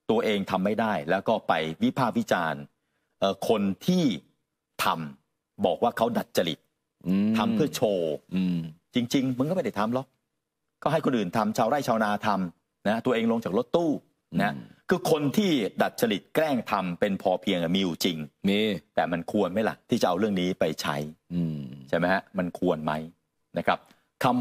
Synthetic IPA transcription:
t̪u˧ɐʔeː˧ŋt̪ʰa˧mːa˥˩jdaː˥˩jlɛː˦˥wkɔː˥˩pa˧jwi˦˥pʰaː˥˩k̚wi˦˥t͡ɕaː˧n | ʔɤː˨˩kʰo˧nt̪ʰiː˥˩ | t̪ʰa˧m | bɔː˨˩k̚waː˥˩kʰa˦˥wda˨˩t̪̚t͡ɕʰa˧lḭ˨˩t̪̚ʰ | a˧mʰɯ˥˩ɐt͡ɕʰoː˧ | t͡ɕi˧ŋt͡ɕi˧ŋmɯ˧kːma˥˩da˨˩jt̪ʰa˧mlɔ˨˦˩k̚ | kɔː˥˩ɦa˥˩jkʰo˧nʔɯː˨˩nt̪ʰa˧mt͡ɕʰaː˧wɾaː˥˩jt͡ɕʰaː˧wnaː˧t̪ʰa˧m | na˦˥a˥t̪u˧ɐʔeː˧ŋlo˧ŋt͡ɕaː˨˩k̚ɾo˦˥t̪ːuː˥˩ | na˦ɦa˦˥kʰɯː˧kʰo˧nt̪ʰiː˥˩da˨˩t̪̚t͡ɕʰa˧li˨˩t̪̚kɾɛː˥˩ŋt̪ʰa˧mpe˧npʰɔː˧pʰi˧əŋʔa˨˩miː˧ju˨˩t͡ɕi˧ŋmt̪ɛː˨˩ma˧nkʰu˧ənma˦˥jla̰˨˩ʔt̪ʰiː˥˩t͡ɕa˨˩ʔa˧ɾɯ˥˩əŋniː˦˥pa˧jt͡ɕʰa̰˦˥j | t͡ɕʰa˥˩jma˦jɦa˦˥ma˧nkʰu˧ənma˦˥j | na˦˥kʰa˦˥p̚ | t̪ʰa˧m

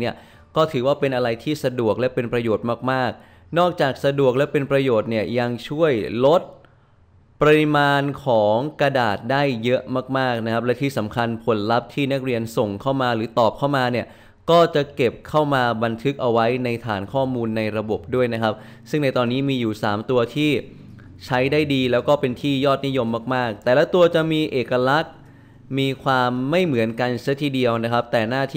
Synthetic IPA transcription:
ni˥˩ɐ | kɔː˥˩t̪ʰɯː˩˦waː˥˩pe˧nʔa˧ɾa˧jt̪ʰiː˥˩sa˧du˨˩ək̚lɛ˦˥pe˧npɾa˧joː˨˩t̪̚maː˥˩k̚maː˥˩k̚ | nɔː˥˩k̚t͡ɕaː˨˩k̚sa˧du˨˩ək̚lɛ˦˥pe˧npɾa˧joː˨˩t̪̚ni˥˩əja˧ŋt͡ɕʰu˥˩əjlo˦˥t̪̚ | pɾa˧ɾi˦˧˥maː˧nkʰɔː˩˦ŋkɾa˧daː˨˩t̪̚daː˥˩jːɤ˦˥ʔmaː˥˩k̚maː˥˩k̚na˦˥kʰa˦˥p̚lɛ˦˥t̪ʰiː˥˩sa˩˦mkʰa˧npʰo˩˦nla˦˥p̚t̪ʰiː˥˩na˦˥k̚ɾi˧ənso˨˩ŋkʰa˥˩wmaː˧ɾɯː˩˦t̪ɔː˨˩p̚kʰa˥˩wmaː˧ni˥˩ə | kɔː˥˩t͡ɕa˨˩ke˨˩p̚kʰa˥˩wmaː˧ba˧nt̪ʰɯ˦˥k̚ʔa˧wa˦˥jna˧jt̪ʰaː˩˦nkʰɔː˥˩muː˧nːa˧jɾa˧bo˨˩p̚du˥˩əjna˦˥kʰa˦˥p̚ | sɯ˥˩ŋna˧jt̪ɔː˧nːiː˦˥miː˧juː˨˩saː˩˦mt̪u˧ɐt̪ʰiː˥˩ | t͡ɕʰa˦˥jdaː˥˩jdiː˧lɛː˦˥wkɔː˥˩pe˧nt̪ʰiː˥˩jɔː˥˩t̪̚ni˦˥jo˧mːaː˥˩k̚maː˥˩k̚t̪ɛː˨˩lɛː˦˥t̪u˧ɐt͡ɕa˨˩miː˧ʔeː˨˩ka˧la˦˥k̚ | miː˧kʰwaː˧mːa˥˩jmɯ˩˦ənka˧nt͡ɕʰa˦˥t̪ʰiː˧˩di˧əwna˦˥kʰa˦˥p̚t̪ɛː˨˩naː˥˩t̪ʰː

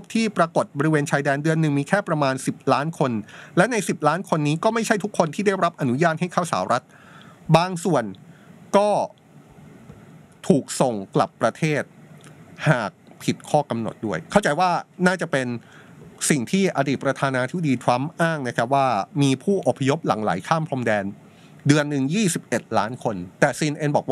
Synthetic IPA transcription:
p̚t̪ʰiː˥˩pɾa˧ko˨˩t̪̚bɔː˧ɾi˦weː˧nt͡ɕʰaː˧jdɛː˧ndɯ˧ənːɯ˨˩ŋmiː˧kʰɛː˥˩pɾa˧maː˧nsi˨˩p̚laː˦˥nkʰo˧nlɛ˦˥wna˧jsi˨˩p̚laː˦˥nkʰo˧nːiː˦˥kɔː˥˩ma˥˩jt͡ɕʰa˥˩jt̪ʰu˦˥kʰːo˧nt̪ʰiː˥˩da˥˩jɾa˦˥p̚ʔa˧nu˦˥jaː˥˩t̪̚ha˥˩jkʰaː˥˩wsa̰ː˩˦wɾʔa˦˥t̪̚ | baː˧ŋsu˨˩ənkɔː˥˩ | t̪ʰuː˨˩k̚so˨˩ŋkla̰˨˩pːɾa˧t̪ʰeː˥˩t̪̚haː˨˩k̚pʰi˨˩t̪̚kʰɔː˥˩ka˧mno̰˨˩t̪̚du˥˩əjkʰa˥˩wt͡ɕa˧jwaː˥˩naː˥˩t͡ɕa˨˩pe˧n | si˨˩ŋt̪ʰiː˥˩ʔa˧diː˨˩p̚ɾa˧t̪ʰaː˧naː˧t̪ʰi˦˥b̚a˧˩diː˧t̪ʰɾa˦˥mʔaː˥˩ŋna˦˥kʰa˦˥p̚waː˥˩miː˧pʰuː˥˩ʔo˨˩pʰːa˧jo˦˥p̚la̰˩˦ŋla̰ː˩˦jkʰaː˥˩mpʰlo˧mdɛː˧n | dɯ˧ənːɯ˨˩ŋjiː˥˩si˨˩p̚ʔe˨˩t̪̚laː˦˥nkʰo˧nt̪ɛː˨˩siː˧nʔe˧nbɔː˨˩k̚w

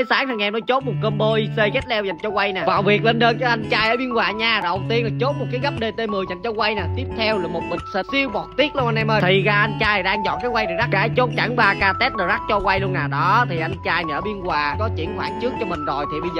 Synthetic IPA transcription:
ə˨˦jsaː˨˦ŋt̪ʰa˧˩ŋʔɛ˧mnɔ˨˦t͡ɕo˦˥t̚mo˨˩t̚kəː˧mɓo˧jse˧ɣɛ˦˥t̚lɛ˧wza˨˩jŋ̟t͡ɕɔ˧kwa˧jnaː˨˩vaː˨˩wvi˨˩ək̚le˧nɗəː˧nt͡ɕə˧ʔa˧jŋt͡ɕaː˧jʔəː˧˩ɓi˧ənwaː˨˩ɲaː˧ɗə˨˩wŋ͡mt̪i˧ənlaː˨˩t͡ɕo˦˥t̚m˨˩t̚kaː˨˦jɣa˦˥p̚ɗe˧˩t̪e˧mɨ˨˩əjza˨˩jŋ̟t͡ɕɔ˧kwa˧jnaː˨˩t̪i˦˥əp̚t̪ʰɛ˧wlaː˨˩mo˨˩t̚mi˨˩k̟̚sə˧˩i˧əwmɔ˨˩t̚t̪i˦˥ət̚lu˧nʔa˧nʔɛ˧mʔəː˧t̪ʰi˨˩ɣaː˧ʔa˧jŋ̟t͡ɕaː˧a˨˩ɗaː˧ŋzɔ̰˧˨nkaː˨˦jwa˧jɗɨ˨˩za˦˥ɣaː˧jt͡ɕo˦˥t̚t͡ɕa˧˩ŋɓaː˧kaː˧t̪e˦˥t̚ɗəː˨˩za˦k̚t͡ɕɔ˧kwa˧jlu˧ənaː˨˩ɗɔ˨˦t̪ʰi˨˩ʔa˧jŋt͡ɕaː˧jmi˨˩ʔəː˧˩ɓi˧ənɣwaː˨˩kɔ˨˦t͡ɕḭ˧˩ənxwaː˨˧˩ŋt͡ɕɨ˦˥ək̚t͡ɕɔ˧mï˨˩ŋ̟zo˨˩jt̪ʰi˨˩ɓə˧jzəː˩

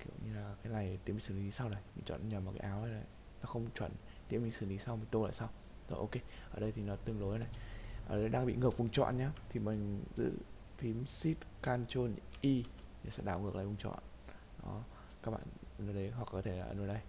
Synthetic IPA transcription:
kḭ˧˩əwɲɨ˧laː˨˩kaː˨˦jla˨˩jt̪i˧˦˥mi˨sɨ˧˩˨i˨˦˨saː˧wɗə˨˩jmi˨˩t͡ɕɔ̰˧˨nɲə˨˩maː˨˩kaː˨˦ʔaː˨˦wnə˧˦na˨˩j | nɔː˨˦xə˧wŋ͡mt͡ɕwə̰˧˩˨n | t̪ḭ˧˥əmï̟˨˩sɨ˧˩˨ŋi˨˦sa˧wmï˨˩ŋ̟t̪o˧la̰ː˧˨jsaː˧w | zo̰˨˧˩ʔo˧ke˧ʔəː˧˩ɗə˧jt̪i˨˩nɔ˨˦t̪ɨ˧əŋlo˨˦jna˨˩jʔəː˧˩ɗə˨˦jɗaː˧ɓḭ˧˨ŋɨ˨˩k̚vu˨˧˩ŋ͡mt͡ɕwɔ̰˧˨nɲaː˧t̪ʰi˨˩mï˨˩ŋzɨ̰˧˥ | fʰi˨˦msi˦˥t̚kaː˧nt͡ɕo˧nʔi˧ɲa˨˩sɛ̰˧˥ɗaː˧˩wŋɨ˨˩əklaː˧˨˩vŋ͡mt͡ɕɔ̰˧˨n | ɔ˨˦ | kaː˦˥k̚ɓa̰ː˧˨n˨˩no˨˧˦ɗə˨˦jɦwk̚kɔ˨˦t̪ʰe˧˩a˨˧əː˧˩no˨˦jɗə˧j

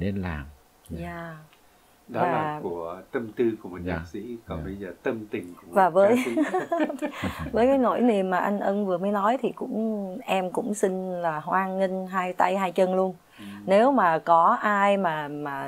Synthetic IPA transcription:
ne˧nla̰ː˨˩m | aː˧˩ | ɗɔ˨˦vaː˨˦aː˩˨˩ku˧˩ət̪ə˧mt̪ɨ˧ku˧˩əmo˨˩t̚ɲa̰ː˨˩k̚sḭ˧˥kɔ˨˦ɓə˧jzəː˨˩t̪ə˧mt̪ï˨˩ŋ̟ku˧˩˨vaː˨˩vəː˨˦j | vəː˨˦jkaː˨˦jno̰˧˩˨jni˨˩əmːaː˨˩ʔa˧jŋ̟ʔə˧nvɨ˨˩əməː˨˦jnɔ˨˦jt̪ʰi˨˩kʊ̰˧˥ŋ͡mʔɛ˧mkʊ̰˧˥ŋ͡msï˧ŋ̟laː˨˩hwaː˧ŋɲï˧ŋ̟ɦaː˧jt̪a˧jɦaː˧jt͡ɕə˧nlu˧ən | ne˨˦wmaː˨˩kɔ˨˦ʔaː˧jmaː˨˩maː˨˩

